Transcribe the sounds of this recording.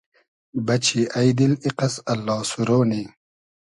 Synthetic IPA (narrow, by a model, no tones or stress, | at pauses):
bɐt͡ɕʰiʔɐjd̪iliqɐsɐlːɑːsuɾoːniː